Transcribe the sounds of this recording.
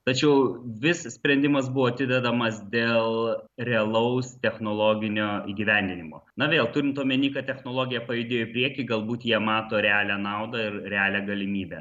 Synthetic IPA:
t̪ɐt͡ʃʲɛʊʋʲɪssʲpʲɾʲɛnʲd̪ʲɪmɐs̬bʊʋoːɐt̪ʲɪd̪ʲɛd̪ɐmɐsd̪ʲeːlˠɾʲɛɐlˠɐʊst̪ʲɛxnoːlˠoːɡʲɪnʲoːiːɡʲiʋʲænʲd̪ʲɪnʲɪmo̰ːnɐʋʲeːlˠt̪uːɾʲɪnt̪oːmʲiɛnʲiːkɐt̚tʲɛxnoːlˠoːɡʲɪjɛpɐjɪd̪ʲeːjoɪpʲɾʲiɛkʲɪɡɐlˠbuːt̪jiɛmɑːt̪oːɾʲɛɑːlʲæːnɑʊd̪ɐɪɾɾʲɛɑːlʲæːɡɐlʲɪmʲiːbʲæ̰

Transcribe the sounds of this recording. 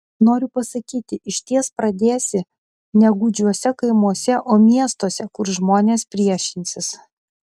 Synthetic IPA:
noːɾʲʊpɐsɐkʲiːt̪ʲɪʔɪʃʲt̪ʲiɛspɾɐd̪ʲeːsʲɪ | nʲɛɡʊd͡ʒʲuɔsʲɛkɐɪmuɔsʲɛʔoːmʲiɛst̪oːsʲɛkʊɾʒmoːnʲeːspʲɾʲiɛʃʲɪnʲsʲɪs

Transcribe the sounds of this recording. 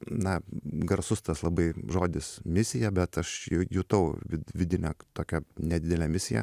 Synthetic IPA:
nɐɡɐrsʊst̪ɐslˠɐbɐɪʒoːd̪ʲɪsmʲɪsʲɪjɛbʲɛt̪ɐʃjɛjuːt̪ɐʊʋʲɪʋʲɪd̪ʲɪnʲɛt̪oːkʲɛnʲɛd̪ʲɪd̪ʲɛlʲɛːmʲɪsʲɪjɛ̰

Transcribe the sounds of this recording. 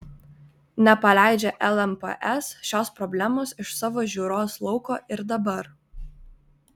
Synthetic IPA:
nʲɛpɐlʲæˑɪd͡ʒʲɛʔɛlˠɛmpɐ̰ʔɛsʃʲoːspɾɔbʲlʲæmoːsɪʃsɑːʋoːʒʲuːɾoːslˠɔʊkoːʔɪɾd̪ɐbɐɾ

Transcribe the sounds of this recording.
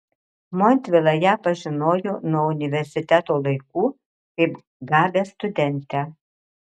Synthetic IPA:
mɔnʲt̪ʲʋʲɪlˠɐjæːpɐʒʲɪnoːjonuɔʊnʲɪʋʲɛɾʲsʲɪt̪ʲæt̪oːlˠɐɪkuː | kɐɪp | ɡɑːbʲeːst̪ʊd̪ʲɛnʲt̪ʲæ

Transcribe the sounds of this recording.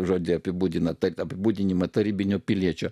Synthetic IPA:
ʒoːd̪ʲɪɐpʲɪbuːd̪ʲɪnɐt̪ɐɐpʲɪbuːd̪ʲɪnʲɪmɐt̪ɐɾʲiːbʲɪnʲʊːpʲɪlʲiɛt͡ʃʲʊ

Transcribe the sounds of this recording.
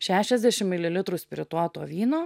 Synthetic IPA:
ʃʲæːʃʲɛzʲd̪ʲæʃʲɪmmʲɪlʲɪlʲɪt̪ɾʊsʲpʲɾʲɪt̪uːt̪oːʋʲiːnoː

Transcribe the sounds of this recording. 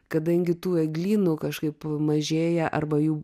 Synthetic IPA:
kɐd̪ɐŋʲɡʲɪt̪uːɛɡlʲiːnʊkɐʃkɐɪpmɐʒʲeːjɛʔɐ̰rbɐjuː

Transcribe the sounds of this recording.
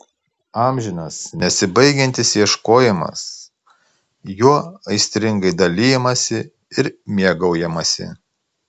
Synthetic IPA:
ɑːmʲʒʲɪnɐsnʲɛsʲɪbɐɪɡʲɛnʲt̪ʲɪsjiɛʃkoːjɪmɐ̰s | juɔɐɪsʲt̪ʲɾʲɪŋɡɐɪd̪ɐlʲijɛmɐsʲɪ | ɪɾmʲiɛɡɐʊjɛmɐsʲɪ̰

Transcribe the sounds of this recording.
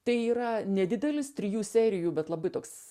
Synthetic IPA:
t̪ɐɪiːɾɐnʲɛd̪ʲɪd̪ʲɛlʲɪst̪ʲɾʲɪjuːsʲæːɾʲɪjuːbʲɛt̪lˠɐbɐɪt̪oːks

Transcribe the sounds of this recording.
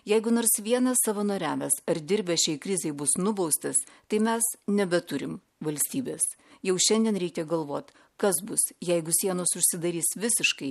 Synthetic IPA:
jɛɪɡʊnoːɾsʋʲiɛnɐssɐʋɐnoːɾʲæːʋʲɛsɐɾd̪ʲɪɾʲbʲɛʃʲɛɪkɾʲɪzʲɛɪbʊsnʊbɐʊst̪ɐst̪ɐɪmʲɛsnʲɛbʲɛt̪ʊɾʲɪm | ʋɐlʲsʲt̪ʲiːbʲeːs | jɛʊʃʲɛnd̪ʲiɛnɾʲɛɪkʲɛɡɐlˠʋoːt̪ʲ | kɐsbʊsjɛɪɡʊsʲiɛnoːsʊʃʲsʲɪd̪ɐɾʲiːsʋʲɪsʲɪʃkɐɪ

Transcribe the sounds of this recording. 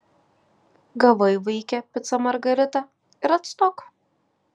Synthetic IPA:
ɡɐʋɐɪʋɐɪkʲɛpʲɪt̪sɐmɐɾɡɐɾʲɪt̪ɐ | ɪɾɐt̪st̪oːk

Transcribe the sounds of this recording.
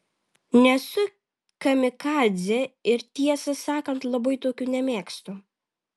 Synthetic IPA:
nʲɛsʊ | kɐmʲɪkɑːlʲzʲɛɪɾt̪ʲiɛsɐsɑːkɐnt̪lˠɐbɐɪt̪oːkʲuːnʲɛmʲeːkst̪u

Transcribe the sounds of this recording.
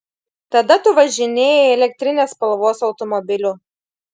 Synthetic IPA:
t̪ɐd̪ɐt̪ʊʋɐʒʲɪnʲeːjɛɛlʲɛk̚ʲt̪ʲɾʲɪnʲeːspɐlˠʋoːsɒʊt̪ɔmɔbʲɪlʲʊ

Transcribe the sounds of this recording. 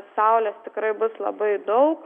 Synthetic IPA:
sɑʊlʲeːst̪ʲɪkɾɐɪbʊslˠɐ̰bɐɪd̪ɐʊk

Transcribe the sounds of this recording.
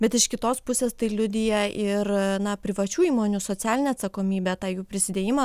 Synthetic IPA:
bʲɛt̪ɪʃkʲɪt̪oːspʊsʲeːst̪ɐɪlʲʊd̪ʲɪjɛʔɪrnɐpʲɾʲɪʋɐt͡ʃʲuːiːmoːnʲʊsoːt̪sʲæːlʲɪnʲɛːɐt̪sɐkoːmʲiːbʲɛt̪ɑːjuːpʲɾʲɪsʲɪd̪ʲeːjɪmɐ

